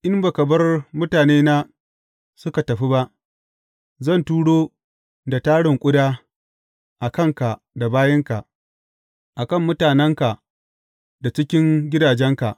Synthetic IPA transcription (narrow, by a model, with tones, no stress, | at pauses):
ʔɪ˦mba˨kɐ˨bɐ˦rmʊ˦taː˨neː˦naː˦ | sʊ˦ka˨tɐ˨ɸi˦ba˦ʔ | zɐ˦˨ntuː˦ɽoː˦ | da˨taː˦ɽɪ˨ŋkʷʼʊ˦daː˦ | ʔa˨kɐ˦˨ŋka˨ | da˨baː˦jɐ˦ŋka˨ʔ | ʔa˨kɐ˦˨mːʊ˦taː˨nɛ˦ŋka˨ | da˨t͡ʃɪ˦kʲɪ˦ŋɡʲɪ˦daː˨d͡ʒɛ˦ŋka˨ʔ